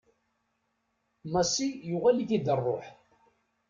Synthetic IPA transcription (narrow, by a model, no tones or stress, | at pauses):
mɑsijʊʁæliθid̪ərˤːo̰ħ